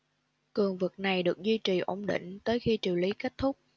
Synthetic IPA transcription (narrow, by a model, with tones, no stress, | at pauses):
kɨ˨˩əŋvɨ˨˩k̚na˨˩jɗɨ˨˩ək̚zwi˧t͡ɕi˨˩ʔo˧˦ŋ͡mɗḭ˧˨ŋ̟t̪əː˨˦jxi˧t͡ɕi˨˩wli˨˦ke˦˥k̚t̪ʰʊ˦˥k͡p̚